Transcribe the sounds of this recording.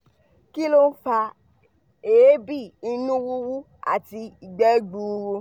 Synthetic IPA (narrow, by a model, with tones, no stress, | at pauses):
ki˦lo˦n̩˦fa˧ | e˨e˦bi˦˨i˧nũ˦wu˦wu˦ | a̰˦˨ti˧i˨ɡ͡bɛ˨˦ɡ͡bu˨˧ɾu˧